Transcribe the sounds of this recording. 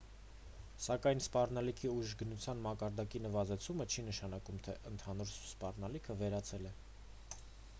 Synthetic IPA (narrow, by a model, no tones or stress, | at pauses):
sɑkɑjnspɑrnɑlikʰiuʒɡənut͡sʰjɑnmɑkɑɾd̪ɑkinəvɑzɛt͡sʰumət͡ʃʰinəʃɑnɑkumt̪ʰɛʔənt̪ʰɑn̪uɾspɑrnɑlikʰəvɛɾɑt͡sʰɛlɛ